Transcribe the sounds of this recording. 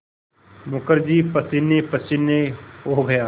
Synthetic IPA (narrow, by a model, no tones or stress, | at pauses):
mʊkəɾd͡ʒiːpɐsɪnːepəsɪnːeɦoɦɡɐjaː